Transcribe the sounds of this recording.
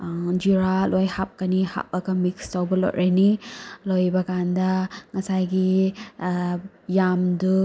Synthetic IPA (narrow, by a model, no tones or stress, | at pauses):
d͡ʒuɾalojhap̚kɐniha̰p̚ɐɡɐmikstawbɐlo̰tɾʔenilojbɐkandɐŋɐsajɡi | jamdu